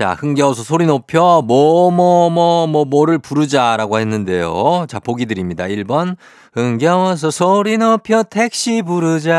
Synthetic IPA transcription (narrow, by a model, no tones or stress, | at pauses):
t͡ɕa̰hɯŋɡeʌsʰʌsʰoɾinopʰjʌmʌmʌmʌmʌmʌɾɯɭpuɾɯd͡ʑaɾaɡoɦe̞nːɯnde̞jo̰t͡ɕapoɡidɯɾimɲidaiɭbʌn | ɯŋɡjʌwʌs̬ʰʌsʰoɾinopʰjʌtʰe̞k̚ɕ͈ibuɾɯd͡ʑa